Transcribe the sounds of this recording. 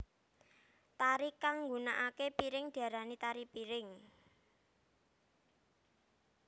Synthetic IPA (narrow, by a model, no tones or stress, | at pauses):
t̪aɾikaŋːɡunaʔakepiɾɪŋɖ̥ä̤ɾanit̪aɾipiɾɪŋ